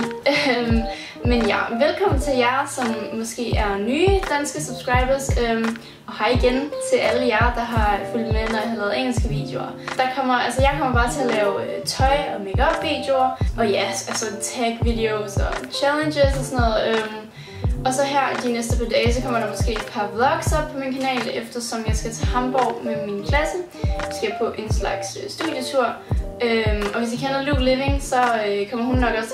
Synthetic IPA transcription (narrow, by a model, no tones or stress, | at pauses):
menjæʋelkʰɒ̽m̰n̩t͡sʰe̝ljɑɪsɒ̽mːɒ̽sɡ̥e̝̰ːæɐnyːd̥ænsɡ̥əsub̥sɡ̥ʁɑ̈ɪb̥ɐsø | ɒ̽hɑ̈iɡ̥ent͡sʰe̝ʔæləjæ̈ɪd̥ɑ̈ɦɑ̈ful̰d̥menɐhælɛːð̩ˠeŋ̰l̩sɡ̥əʋḭːd̥eo̝ɐ | d̥ɑ̈kʰɒ̽m̰ɐælsəjɑ̈ɪkʰɒ̽m̰ɐb̥ɑ̈ːt͡sʰe̝ælɛːʊt͡sʰɒ̽ɪɒ̽meɡ̥ɐɒb̥iːd̥jo̝ɐʔɒ̽jæælsɒt͡sʰæɡ̥ʋid̥e̝osɒt͡ɕʰælənɕesɒsɔnɔ̽ð̩ˠøm | ʔɒ̽sɒ̽ɦæɐ̰d̥inesd̥əpʰɑd̥ɛːɪsɒkʰɒ̽m̰ɐɾ̥ɑ̈mɒ̽sɡ̥e̝̰ːd̥pʰɑ̈wɐɡ̥sɒ̽b̥̚pʰɒ̽minkʰænɛ̰ːlefd̥ɐsɒ̽mjɑ̈ɪsɡ̥æt͡sʰe̝hɑ̈mb̥ɒʊ̰meminkʰlæsə | sɡ̥æjapʰɒ̽ʔe̝nslɑ̈ɡ̥søsd̥uðˠjət͡sʰuɐ̰ømɒ̽ʋe̝s̬jakʰenð̩ˠluɡ̥leʋe̝ŋsɒ̽økʰɒ̽m̰ɐhunːɒ̽ɡ̥ɒ̽s